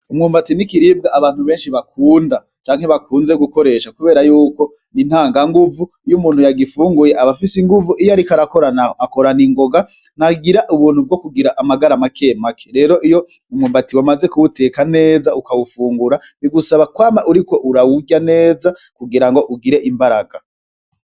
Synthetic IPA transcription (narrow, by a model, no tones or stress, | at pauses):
umŋuːmbatinikiɾiːb̚ɡaʔaβaːn̥huβe̞ːnʃiβak̚uːnda | t͡ʃaːŋhe̞βakuːnze̞ɡuko̞ɾe̞ʃakuβe̞ːɾajuːko̞ | ninhaːŋɡaŋɡuvu | jumuːnhujaɡifuːŋɡuje̞ʔaβafisiŋɡuvuʔijojaɾikaɾako̞ɾanaoako̞ɾaniŋɡo̞ɡa | naɡiɾaʔuβuːn̥hub̚ɡo̞kuɡiɾaʔamaɡaɾamakʰe̞ːmakʰeɾe̞ːɾo̞ʔijo̞ | umŋumbatiwamaze̞kuwute̞ːkane̞ːzaukawufuːŋɡuɾaniɡusaβakwaːmaʔuɾiko̞ʔuɾawuɟane̞ːza | kuɡiɾaŋɡo̞ʔuɡiɾe̞ʔimbaɾaɡ̥a